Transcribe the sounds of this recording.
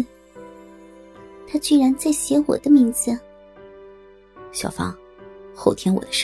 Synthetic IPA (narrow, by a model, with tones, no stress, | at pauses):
t̪ʰa˥t͡ɕy˥˩ɻa˧˥nt͡sa˥˩ɪɕjɛ˧˥wɔ̰˨˩d̪ə˦mi˧˥ŋd͡zɹ̩˧ | ɕjɑ̰˨˩ʊfɑ̰˥ŋ | xo˥˩ʊt̪ʰjɛ˥nwɔ̰˨˩d̪ə˦ʂ